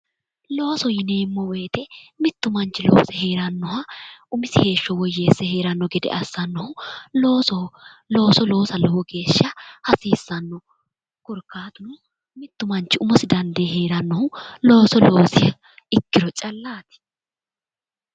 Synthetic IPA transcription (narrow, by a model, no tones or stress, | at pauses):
lo̞ːsɔjɪneːmːɔwe̞ːt̪ɛmɪt̪ːʊmɐnt͡ʃːɪlo̰ːsɛhe̞ːɾɐnːɔhɐʊmɪsɪhe̞ːʃːɔwɔjːeːsːɛhe̞ːɾɐnːɔɡɛd̪ɛ̰ʔɐsːɐnːɔhʊloːsɔlo̞ːsɔlo̞ːsɐlɔwɔɡe̞ːʃːɐhɐsiːsːɐnːɔ | kɔɾkːaːt̪ʊnʊ | mɪt̪ːʊmɐnt͡ʃːɪʊmɔsɪd̪ɐnd̪eːɦeːɾɐnːɔhʊloːsɔlo̞ːsɪ | ɪkːɪɾɔt͡ʃʼɐlːaːt̪ɪ̥